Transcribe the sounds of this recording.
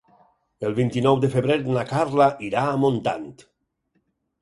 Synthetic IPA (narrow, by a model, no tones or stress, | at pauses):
elˠβint̪inɔwd̪efeβɾeɾnakarlaʔiɾaːmont̪a̰nt̪